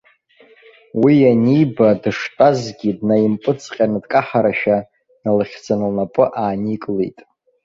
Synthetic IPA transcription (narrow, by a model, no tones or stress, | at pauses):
wijanijbadɨʂtʼazɡʲidnajimpʼɨt͡sʼqʲʼanɨdkʼaħaɾaʃᶣa | nalɨχʲd͡zanɨlnapʼɨʔaːnikʼlḛjtʼ